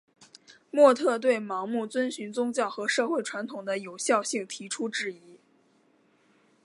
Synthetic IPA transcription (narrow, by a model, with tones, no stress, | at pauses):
mwɔ˥˧t̪ʰɤ˥˧t̪̬we˥˩ɪmɑ˧˥ŋmu˥˩t͡swə˥nɕy˧˥nt͡sʊ˥ŋt͡ɕjɑ˥˩ʊxɤ˧˥ʂɤ˥˧xwe˥˩ɪʈ͡ʂʰwa˧˥nt̪ʰʊ˨˩ŋd̪ə˦jo˨˩ʊɕjɑ˥˧ʊɕi˥˩ŋt̪ʰi˧˥ʈ͡ʂʰu˥ʈ͡ʂɻ̩˥˩i˧˥